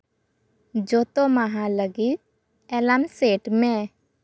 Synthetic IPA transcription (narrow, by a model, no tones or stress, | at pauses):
d͡ʒoːt̪omaɦãləɡi | ɛlamseːʈmẽ